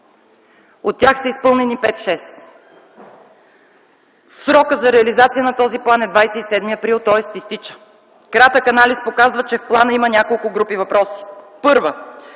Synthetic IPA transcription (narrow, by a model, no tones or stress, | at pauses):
ot̪̚ːʲjaxsəispɤlˠnɛnipɛt̪ʃɛs | sɾɔkəzɐɾɛɐlizat̪sijənɐt̪ɔziplˠanɛd̪vajsɛisɛd̪miɐpɾilˠt̪ɔɛst̪ist̪it͡ʃə̥ | kɾat̪əkɐnalispokazvət͡ʃɛfplˠanəimənʲakolˠkʊɡɾupivɐpɾɔsi̥pɤɾvə